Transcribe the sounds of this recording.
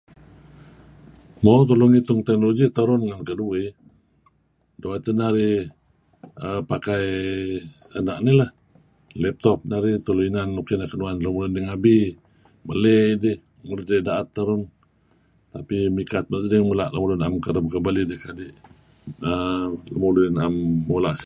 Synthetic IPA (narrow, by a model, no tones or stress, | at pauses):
mot̪̬ulʊŋit̪ʊŋt̪ɛk̚noloɡit̪əɾʊnŋankədui | duat̪ənaɾi | əpakaj | anaʔnilah | lɛp̚t̪ɔp̚naɾit̪uluinanːukinakənuanlamulʊndiŋabi | məledɪh | mulɪdədaʔat̪ːəɾʊn | t̪apimikat̪̚mazədimulaʔləmulʊnamkəɾəmkəbalidəhkadiʔ | ələ̰mulinamːulaʔs